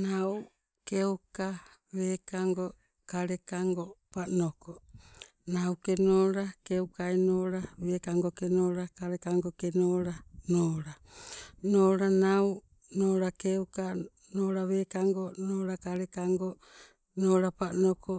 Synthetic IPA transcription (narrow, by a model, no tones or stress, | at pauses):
naw | kewka | βeːkaŋɡo | kaɾekaŋɡopanoko | nawkenoːɾakewkaenoːɾaβeːkaŋɡokenoːɾakaɾekaŋɡokenoːɾanoːɾa | noːɾanaw | noːɾakewka | noːɾaβeːkaŋɡonoːɾakaɾekaŋɡo | noːɾapanoko